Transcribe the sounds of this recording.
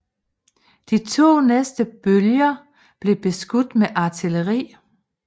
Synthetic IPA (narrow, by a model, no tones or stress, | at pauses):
d̥it͡sʰo̝̰ːnesd̥əb̥øljɐ | b̥le̝b̥e̝sɡ̥ud̥meʔɑ̈t͡sʰiləʁḭː